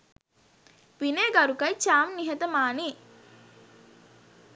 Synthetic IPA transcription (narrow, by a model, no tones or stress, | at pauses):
ʋineːɡaɾukɐjt͡ʃaːmniɦɐt̪əmaːniː